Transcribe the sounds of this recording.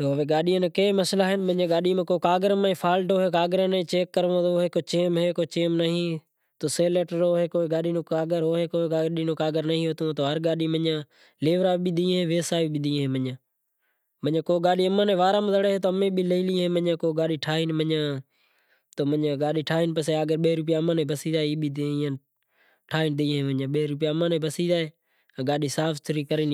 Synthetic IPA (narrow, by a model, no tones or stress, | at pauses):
t̪oːʋeːɡaːɗiːəneːkeːməslaːɦɪnmə̃ãːɡaːɗiːmẽːkoːkaːɡəɾmeːpʰaːlʈoːɦeːkaːɡəɾənẽːt͡ʃeːkːəɾʋõːt̪oːɦeːkoːt͡ʃeːmɦeːkoːt͡ʃeːmnəɦĩː | t̪oːseːleːʈɾoːɦeːkoːɡaːɗiːnõːkaːɡəɾɦoːɦeːkoːkaːɗiːnõːkaːɡəɾnəɦĩːɦot̪õːt̪oːɦəɾɡaːɗiːmə̃ãː | leːʋɾaːɓid̪ĩːɦẽːʋeːsaːiɓid̪ʱĩːɦẽːməɲãː | məɲãːkoːɡaːɗiːəmãːnẽːʋaːɾãːməzəɽeːɦẽːt̪oːəmẽːɓiːləiːlĩːɦẽːməɲãːkoːɡaːɗiːʈʰaːɦiːnməɲãː | t̪oːməãːɡaːɗiːʈʰaːɦiːnpəseːaːɡəɾɓeːɾʊp̬jaːəmãːnẽːbəsiːd͡ʒaːeːiːɓiːãː | ʈʰaːɦiːnd̪iːɦẽːməãːɓəɾʊp̬ɪjaːəmãːnẽːbəsiːd͡ʒaːeː | ɡaːɗiːsaːfʰt̪ʰʊɾiːkəɾiːn